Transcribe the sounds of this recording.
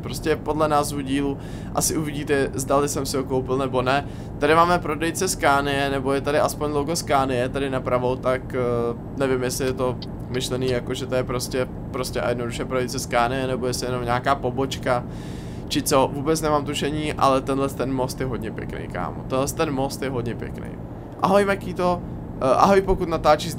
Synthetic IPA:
pɾoscɛpo̞dlɛnaːzvuɟiːlu | ʔa̰sɪʔuvɪɟiːt̪ɛzdalɪsɛmsɪɦokowpɪlnɛbo̞nɛ | t̪adɪmaːmɛpɾo̞dɛjt͡sɛskaːnɪjɛnɛbojɛt̪adɪʔaspoɲdlowɡoskaːnɪjɛt̪adɪnapɾavo̞wt̪ak | nɛvɪmjɛsɪjɛt̪o̞ | mɪʃlɛniːjakoʒɛt̪ojɛpɾo̞scɛ | pɾo̞scɛʔa̰jɛdno̞duʃɛpɾodɛjt͡sɛskaːnɪjɛnɛbo̞jɛsɪjɛno̞mɲaːkaːpo̞bo̞t͡ʃka | t͡ʃɪt͡so̞vuːbɛt͡snɛmaːmt̪uʃɛɲiːʔa̰lɛt̪ɛnlɛst̪ɛnmo̞st̪jɛɦo̞dɲɛpjɛ̰knḛjka̰ːmṵt̪ɛnlɛst̪ɛnmo̞st̪jɛɦo̞dɲɛpjɛ̰knḛj | ʔa̰ɦojmakiːt̪o̞ | ʔa̰ɦojpokut̪nat̪aːt͡ʃiz

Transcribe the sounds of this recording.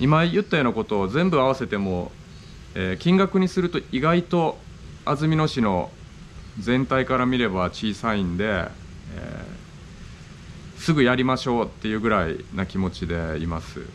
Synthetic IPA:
imajɯ̟t̪ːajo̞ːnako̞t̪o̞ːzẽ̞mbɯ̟aβase̞t̪e̞mo̞ | eːkʲĩŋɡakɯ̟ɲ̟isɨɾɯ̟t̪o̞iɡait̪o̞ | azɨmʲino̞ɕino̞ | zẽ̞nt̪aikaɾamʲiɾe̞bat͡ɕiːsaĩnd̪e̞ | ḛː | sɨɡɯ̟jaɾʲimaɕo̞ːt̪ːe̞jɯ̟ːɡɯ̟ɾaḭnakʲimo̞t͡ɕid̪e̞ḭmasɨ̰

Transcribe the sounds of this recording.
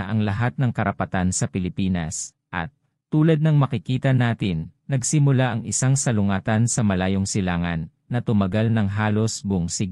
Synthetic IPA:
ʔɐŋlɐɦat̪̚nɐŋkɐɾʔɐpɐt̪ansɐpɪlɪpiːnɐ̰s | ʔɐ̰t̪̚ː | uːlɐd̪̚nɐŋmɐkɪkiːt̪ɐnaːt̪ɪnːɐɡsɪmʊlaʔɐŋɪsaŋsɐlʊŋaːt̪ɐnsɐmɐlaːjoŋsɪlaːŋɐnːɐt̪ʊmɐɡalnɐŋɦaːlo̞sbʊŋsɪɡ̚

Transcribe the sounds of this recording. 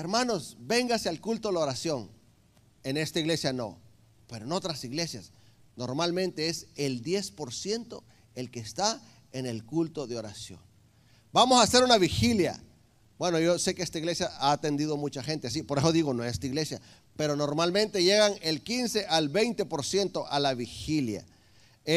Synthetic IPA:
eɾmano̞sbe̞ŋɡasealkult̪oðeoɾasjo̞ŋ | e̞ne̞st̪aiɣle̞sjano̞̰ | pe̞ɾo̞eno̞t̪ɾasiɣle̞sja̰sno̞ɾmalmẽnt̪e̞eseld̪je̞spo̞ɾsje̞nt̪o̞ | e̞lke̞ːst̪a | e̞ne̞lkult̪o̞ðeo̞ɾa̰sjo̞̰ŋ | bamo̞sase̞ɾunaβixilja̰ | bwe̞no̞jo̞se̞keest̪aiɣle̞sjaaːt̪e̞nd̪iðo̞mut͡ʃaxe̞nt̪eas̬ipo̞ɾe̞so̞ðiɣo̞noest̪aiɣle̞sja | pe̞ɾo̞no̞ɾmalmẽ̞nt̪eʝe̞ɣaŋelkinse̞ʔalβe̞jnt̪e̞po̞ɾsje̞nt̪o̞ʔalaβixilja̰

